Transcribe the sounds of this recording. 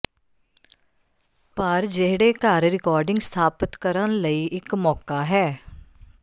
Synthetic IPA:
pəɾd͡ʒɪɦɽeːkaːɾɾɪkɔːɾɖɪ̃ŋɡst̪ʰaːpət̪kəɾənləiːʔɪkmɔːkaːɦɛː

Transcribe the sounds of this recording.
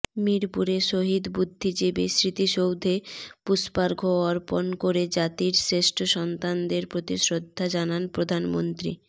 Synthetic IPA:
miɾpuɾeʃoɦid̪bud̪ʱːid͡ʑebesɾit̪iʃowd̪ʱepuspaɾɡʱoɔɾponkoɾed͡ʑat̪iɾsɾeʃʈʰoʃɔnt̪and̪eɾpɾot̪isɾod̪ʱːad͡ʑananpɾod̪ʱanmo̰nt̪ɾḭ

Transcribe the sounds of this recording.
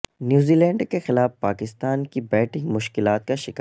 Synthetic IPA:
njuːziːlɛ̃ːɳɖkexɪlaːfpaːkɪst̪aːnkibɛːʈʰɪ̃ŋɡmʊʃkɪlaːt̪̚kaʃɪka

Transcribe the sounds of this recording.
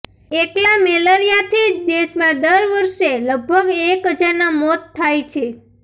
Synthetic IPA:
eʈlameləɾijat̪ʰid̪eʃmãd̪əɾʋəɾʃeləɡ̚bʱəɡekɦəd͡ʒaɾnamɔt̪ʰːajt͡ʃʰe

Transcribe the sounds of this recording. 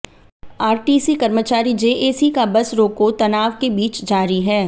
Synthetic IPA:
aːɾʈiːsikɐɾmət͡ʃaːɾid͡ʒeːʔeːsikabɐsɾoːkot̪ɐnaːʋkebiːt͡ʃd͡ʒaːɾiɦɛː

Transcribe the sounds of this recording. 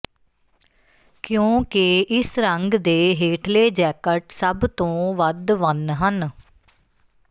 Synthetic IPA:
kjõːkɪʔɪsɾəŋɡd̪eːɦeːʈʰleːd͡ʒɛːkəʈsəbt̪õːʋəd̪ʋənɦən

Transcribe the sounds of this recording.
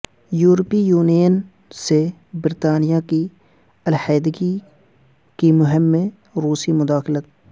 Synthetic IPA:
juːɾpijuːneːn | sebɪɾt̪aːnɪjaki | ɐlhɛːd̪ɪɡi | kimʊɦɪmːẽ | ɾuːsimʊd̪aːxɪlət̪̚

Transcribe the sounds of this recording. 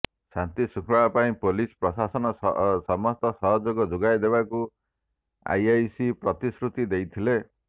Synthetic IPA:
sant̪isukʰɾɔbapaĩpolispɾɔsasɔnɔsɔmɔst̪ɔsɔɦɔd͡ʒoɡɔd͡ʒoɡajd̪ebaku | a̰jajsipɾɔt̪isɾut̪id̪ejt̪ʰile

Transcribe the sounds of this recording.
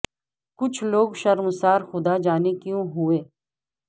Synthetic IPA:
kʊt͡ʃʰloːɡʃɐɾmsaːɾxʊd̪ad͡ʒaːnekjũɦʊeː

